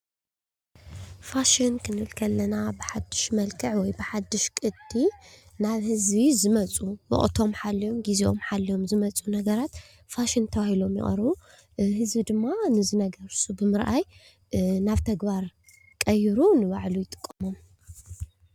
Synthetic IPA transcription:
faʃɪnkʰɨnɨlkʰɐlːɐnabɨħad̪ːɨʃmɐlkʰɨʕwɔjbɨħad̪ːɨʃkʼɨd̪inaβhɨzβizɨmɐt͡sʼuwɔ̰χʼt̪ʰo̞mħalːijo̞mɡiziʔo̞̰mħalːio̞mzɨmɐt͡sʼunɐɡɐɾat̪ | faʃɪnt̪ʰɐβahilo̞mjɪ̰χʼɐ̰ɾβu | ɦɨzbid̪ɨmːanɨzɨnɐɡɐɾsubɨmɨɾʔaj | naβt̪ʰɐɡbaɾ | kʼɐjiɾunɨβaʕlujɪt̪ʼɨ̥kʼːɐmom

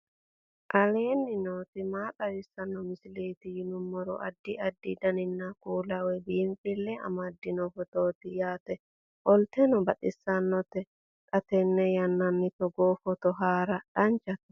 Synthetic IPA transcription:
ʔɐleːnːɪnoːt̪ɪmaːtɐwɪsːɐnːɔmɪsɪleːt̪ɪjɪnʊmːɔɾɔ̰ʔɐd̪ːɪɐd̪ːid̪ɐnɪnːakuːlɐwɛbiːmfɪlːɛɐ̰mɐd̪ːɪnɔfɔt̪oːt̪ɪjaːt̪ɛ | ʔɔlt̪ɛnɔbɐtʼɪsːɐnːɔt̪ːɛ | t̪ʼɐt̪ɛnːɛjɐnːɐnːɪt̪ɔɡoːfɔt̪ɔɦaːɾɐᶑɐnt͡ʃɐt̪ɛ̥

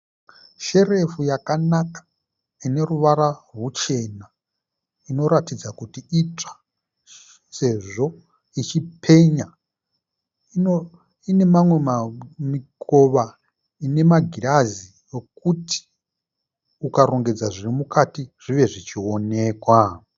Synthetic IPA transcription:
ʃe̞re̞fujakanakḁ | ine̞ruʋaɾarut͡ʃe̞na | ino̞ɾatid͡zakutiit͡ʂḁ | se̞ʐo̞ | it͡ʃipʰe̞ɲa | ino | ine̞mamwe̞mamiko̞ʋa | ine̞maɡʱiɾazi | jo̞k̚uti̥ | ukaɾo̞ŋɡe̞d͡zaʐirimukatiʐ̥iʋe̞ʐit͡ʃio̞ne̞ːkwa

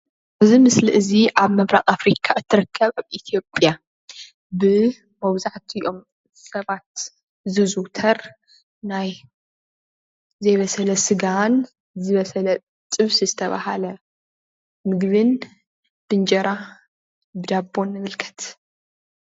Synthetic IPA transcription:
ʔɨzimɨsliʔɨziʔaβmɐβɾaɣʼafɾikʰaʔɨt̪ʰːɨɾɐkʰːɐβaβit̪ʰijo̞pʼja | bɨ | mɐβzaħt̪ʰijʔo̞m | sɐβat̪̚ | zɨzut̪ʰɐɾ | naj | zɐjβɐsɐlɐsɨɡan | zɨβɐsɐlɐ | t̪ʼɨβsizɨt̪ʰɐβa̰halɐ | mɨɡβɨn | b̥ɨnd͡ʒɐɾa | bɨd̪abːo̞nːɨmɨlkʰɐ̥t̪

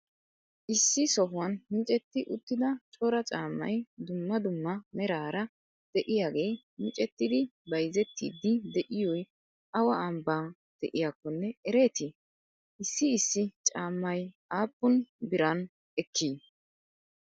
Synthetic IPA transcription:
ʔɪsːɪsɔɦʊwɐnmɪt͡ʃʼɛt̪ːɪʔʊt̪ːɪd̪ɐt͡ʃʼɔɾɐt͡ʃʼaːmːɐ̰jd̪ʊmːɐd̪ʊmːɐmɛɾaːɾɐ | d̪̥ɛʔɪjaːɡe̞ː | mɪt͡ʃʼɛt̪ːɪd̪ɪbɐjzɛt̪ːḭːd̪ːɪd̪ɛʔɪjɔj | ʔɐwɐɐmbaːn | d̪̥ɛʔɪjakːɔnːɛɛɾeːt̪ɪ | ʔɪsːɪːsːɪt͡ʃʼaːmːɐj | aːpːʊnbɪɾɐn | ɛkʰːiː

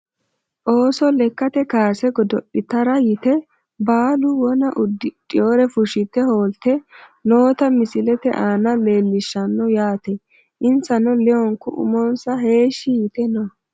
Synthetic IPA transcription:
ʔo̞ːsɔlɛkːɐt̪ɛkaːsɛɡɔd̪ɔɗɪt̪ɐɾɐjɪt̪ɛ | baːlʊwɔnɐʔʊd̪ːɪtʼɪjoːɾɛfʊʃɪt̪ːɛho̞ːlt̪ɛno̞ːt̪ɐmɪsɪlɛt̪ɛʔaːnɐle̞ːlːɪʃːɐnːɔjaːt̪ɛ | ʔɪnsɐnɔlɛɔŋkʊʔʊ̰mɔnsɐɦe̞ːʃːɪjɪt̪ɛnɔ

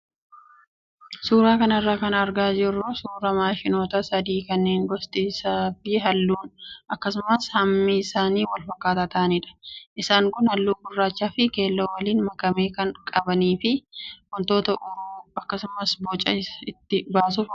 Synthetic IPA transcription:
suːɾaːkɐnɐrːaːkɐnɐɾɡaːd͡ʒɪrːʊsuːɾɐmaːʃɪno̞ːt̪ɐsɐd̪iːkɐnːeːŋɡɔst̪ʼiːsaːfɪɦɐlːuːnʔɐkːɐsʊmɐshɐmːiːsaːniːwɐlfɐkːaːt̪aːt̪ɐʔniᶑɐ̥ʔɪsaːŋkʊnhɐlːuːɡʊrːaːt͡ʃːaːfɪke̞ːlːoːwɐliːnmɐkɐmeːkɐnkʼɐbɐniːfɪwɔnt̪oːt̪ɐʔʊɾuːɐkːɐsʊmɐsboːt͡ʃʼːɐ̰ɪɪt̪ːɪbaːs̬ʊf

